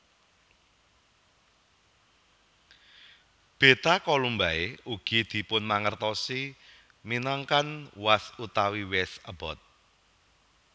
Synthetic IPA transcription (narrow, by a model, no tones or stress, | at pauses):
b̥e̤t̪akolumbaeuɡ̥id̪̥i̤pʊnmaŋərt̪ɔsi | minaŋkanwasut̪awiwɛsəb̥ɔt̪̚